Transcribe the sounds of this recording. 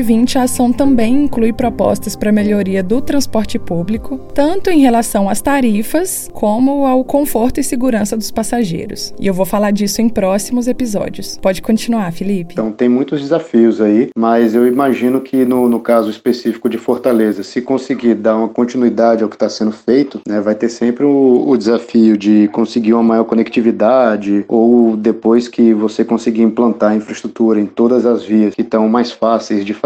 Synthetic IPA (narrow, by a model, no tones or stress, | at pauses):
vĩnt͡ʃɪasɐ̃w̃t̪ɐ̃mbẽj̃ĩŋklujpɾɔpɔ̰st̪ɐspɾɐmeʎoɾiɐd̪ʊt̪ɾɐ̃spɔɾt͡ʃɪpublikʊt̪ɐ̃nt̪ʊẽj̃ɦelasɐ̃w̃ɐst̪aɾifɐs | kʰõmʊawkõfoɾt̪ʊɪsɪɡuɾɐ̃sɐd̪ʊspasaʒḛjɾʊ̰sɪ̰ewvowfalaɾd͡ʒisʊẽj̃pɾɔsimʊzepizɔ̰d͡ʒiʊspɔd͡ʒɪkõt͡ʃinuaɾfilipɪ̥t̪ɐ̃w̃t̪ẽj̃mũj̃t̪ʊzd͡ʒɪzafiʊzaimɐzewimaʒĩnʊkʰɪnʊnʊkazʊispesifi̥kʊd͡ʒɪfoɾt̪alezɐsɪkõsɪɡiɾd̪aɾũmɐkõnt͡ʃinuid̪ad͡ʒɪawkɪ̥t̪asẽnd̪ʊfejt̪ʊnɛvajt̪eɾsẽmpɾɪʊːd͡ʒɪzafiʊd͡ʒɪkõsɪɡiɾũmɐmajɔɾkõnekt͡ʃivid̪ad͡ʒɪowd̪epojskɪvosekõsiɡiĩplɐ̃nt̪aɾɐĩfɾɐist̪ɾut̪uɾɐẽj̃t̪od̪ɐzɐzviɐskɪt̪ɐ̃w̃majsfasejzd͡ʒɪf